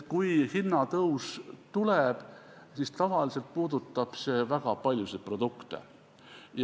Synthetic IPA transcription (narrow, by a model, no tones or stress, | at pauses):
kujhinːɑt̪ɤwst̪uleb̥ | sist̪ɑvɑlise̞lt̪̚puːd̪̥ut̪ːˑɑb̥se̞ːvæɡ̥ɑpɑlʲjused̪̚pro̞d̪ukt̪ḛ | j